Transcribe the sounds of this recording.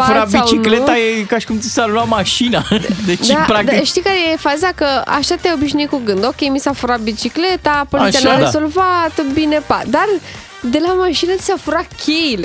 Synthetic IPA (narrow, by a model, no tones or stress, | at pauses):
pfauɾɾabiawt͡ʃinklet̪ajekaʃi̥kumt̪i̥saluamaʃinad̪et͡ʃd̪apɾakd̪ʃt̪ijkaɾejefazakəa̰ʃat̪eajo̞biʃnuikuɡɨnd̪o̞kʲejmisafuɾabit͡ʃikle̞t̪apont̪ʲaaɾeazo̞lvat̪binepad̪ar | d̪e̞lamaʃinət̪i̥safuɾakʲʰejile